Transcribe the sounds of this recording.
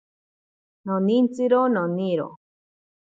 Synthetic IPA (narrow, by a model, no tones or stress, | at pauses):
nonĩnt͡sɨɾononiɾo̰